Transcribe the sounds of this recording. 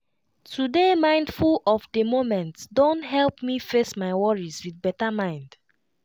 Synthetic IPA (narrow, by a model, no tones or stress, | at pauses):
tʰudemãɪ̃ndfulɔfdemomɛ̃ntsdõntɦɛlpmifesmaɪwɔɹizwiθbɛtamãɪ̃nd̥